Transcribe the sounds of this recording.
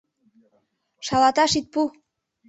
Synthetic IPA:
ʃɑlɑt̪ɑʃit̪̚pu

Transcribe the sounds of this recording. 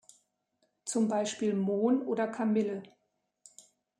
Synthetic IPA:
t͡sʊmbaɪʃpiːlmoːnʔoːdɐkʰamɪlə

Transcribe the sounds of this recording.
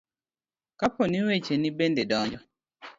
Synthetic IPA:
kapɔniwet͡ʃenibendedɔɲd͡ʒɔ

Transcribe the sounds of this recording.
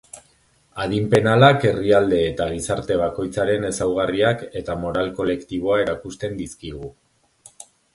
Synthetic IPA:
aðimpe̞nalake̞riald̪e̞ːt̪aɣ̞isaɾt̪e̞β̞ako̞jt͡saɾe̞ne̞sawɣ̞ariake̞t̪amo̞ɾalko̞le̞kt̪iβ̞o̞ae̞ɾakust̪e̞nd̪iskiɣu

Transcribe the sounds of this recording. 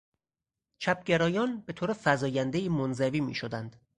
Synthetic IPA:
t͡ʃʰæp̚ɟeɾɒːjɒːnbet̪ʰoːɾefæzɒːjænd̪eiːmonzæviːmḭːʃod̪ænd̪̥

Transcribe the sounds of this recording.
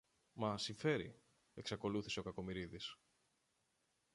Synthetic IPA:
mɐsiɱfe̞ɾi | e̞ksɐko̞luθi̥se̞o̞kɐko̞miɾiðis

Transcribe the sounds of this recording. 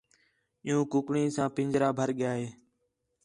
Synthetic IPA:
ɪːjũːkʊkɳĩːsãːpɪ̃ɲd͡ʒɾaːbʱəɾɠɪjaːɦeː

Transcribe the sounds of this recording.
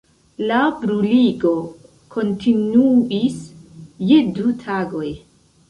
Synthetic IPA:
labɾuliɡo̞ | kʰo̞ntʰinuisje̞dutʰaɡo̞j

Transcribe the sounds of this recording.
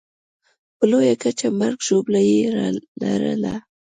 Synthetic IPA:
plojakat͡ʃamaɾkʃʊplajiɾalaɾa̰laː

